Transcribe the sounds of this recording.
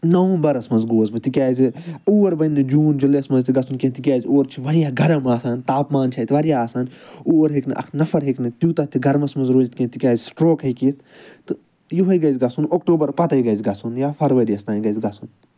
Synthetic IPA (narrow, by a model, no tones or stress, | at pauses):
nɐʋũbɐɾɐsmɐnzɡoːzbɨt̪ikʲaːziuːʋɐɾbɐnːɨd͡ʒuːnd͡ʒuleɐsmɐnzt̪iɡɐsʰunkẽnt̪ikʲaːzʲoːɾt͡ʃʰiʋɐɽijaːɡʱɐɾɐmaːsaːnt̪aːpmaːnt͡ʃʰaːt̪ʋɐɽijaaːsaːnoːɾɦiknɨʔɐ̰kʰnɐfʰɐɾɦeknɨt̪jut̪ɐt̪ʰiɡʱɐɾmɐsmɐnzɾoːlit̪kʲẽt̪ikʲjaːzsʈɾoːkikit̪ | t̪ɨ | juɦɐjɡɐzʲɡɐsunoːkʈoːbɐɾpɐt̪ɐjɡɐzʲɡɐsunjaːpʰɐɾʋɐɾiɐst̪aːnɡɐzɡɐsun